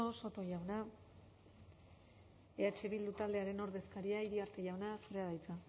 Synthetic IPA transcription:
oso̞t̪o̞ʝawna | eat͡ʃe̞βild̪ut̪ald̪e̞aɾe̞no̞ɾðe̞skaɾiaiɾiaɾt̪e̞ʝawnasoɾe̞aðajt͡sa

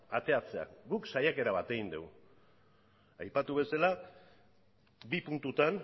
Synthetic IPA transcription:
at̪e̞at͡se̞a̰ɡuksajake̞ɾaβat̪e̞ɣind̪e̞w | ajpat̪uβe̞sala | bipunt̪ut̪an

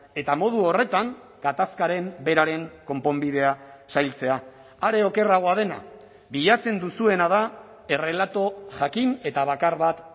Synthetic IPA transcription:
e̞t̪amo̞ð̞uo̞re̞t̪aŋ | ɡ̥at̪askaɾe̞mbe̞ɾaɾe̞ŋko̞mpo̞mbiðe̞asajlt͡se̞a | aɾe̞o̞ke̞raɣ̞o̞að̞e̞na̰ | βiʎat͡se̞nd̪usue̞nað̞a | e̞re̞lat̪o̞ʝakine̞t̪aβakaɾβat̪

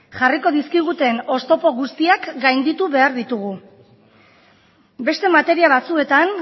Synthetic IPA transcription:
ʝariko̞ð̞iskiɣ̞ut̪e̞no̞st̪o̞po̞ɣust̪iakɡajnd̪it̪uβe̞aɾðit̪uɣ̞u | be̞st̪e̞mat̪e̞ɾiaβ̞at͡sue̞t̪an

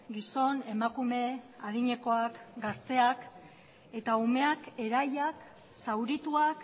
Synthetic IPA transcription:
ɡiso̞ne̞makume̞að̞iɲe̞ko̞akɡast̪e̞ak | e̞t̪aume̞ake̞ɾajak | sawɾit̪uak

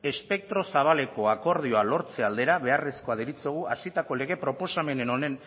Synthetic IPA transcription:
e̞spe̞k̚t̪ɾo̞saβ̞ale̞ko̞ako̞ɾð̞io̞alo̞ɾt͡se̞ald̪e̞ɾaβe̞are̞sko̞að̞eɾit͡seɣ̞uasit̪ako̞le̞ɣ̞e̞pɾo̞po̞same̞ne̞no̞ne̞n

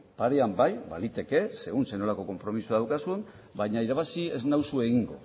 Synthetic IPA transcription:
paɾe̞ambajba̰lit̪e̞ke̞se̞ɣunseno̞lako̞ko̞mpɾo̞misuaðawkasun | baɲaiɾaβ̞asie̞znawsue̞ɣiŋɡo̰

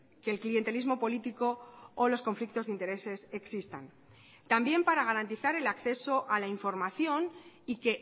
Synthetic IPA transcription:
ke̞ːlklie̞nt̪e̞lizmo̞po̞lit̪iko̞ːlo̞sko̞ɱflik̚t̪o̞zðint̪e̞ɾe̞se̞se̞ksist̪a̰n | t̪ambje̞mpaɾaɣ̞aɾant̪iθaɾe̞lakθe̞so̞ʔalaiɱfo̞ɾmaθjo̞nike̞

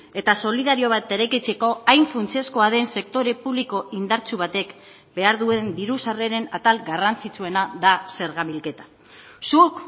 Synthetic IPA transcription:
e̞t̪aso̞liðaɾio̞β̞at̪e̞ɾeket͡se̞ko̞ajɱfunt͡sie̞sko̞aðe̞nse̞k̚t̪o̞ɾe̞puβliko̞ʔind̪aɾt͡suβ̞at̪e̞k | be̞aɾðue̞nb̪iɾusare̞ɾe̞nat̪alɡarant͡sit͡sue̞naðase̞ɾɣamβilke̞t̪ḁ | suk

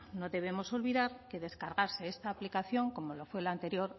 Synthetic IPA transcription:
no̞ðe̞β̞e̞mo̞so̞lβiðaɾke̞ðe̞skaɾɣaɾse̞est̪aːplikaθjo̞ŋko̞mo̞lofwe̞lant̪e̞ɾjo̞ɾ

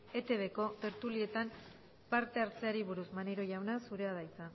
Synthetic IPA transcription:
e̞t̪e̞βe̞ko̞t̪e̞ɾt̪ulie̞t̪am | paɾt̪e̞aɾt͡se̞aɾiβuɾuzmaneɾo̞ʝawnasuɾe̞að̞ajt͡sa

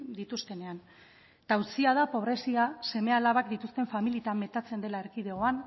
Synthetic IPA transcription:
d̪it̪ust̪e̞ne̞an | t̪awt͡siað̞apo̞β̞ɾe̞siase̞me̞alaβakd̪it̪ust̪e̞ɱfamilit̪amːe̞t̪at͡se̞nd̪e̞laeɾkið̞e̞o̞an

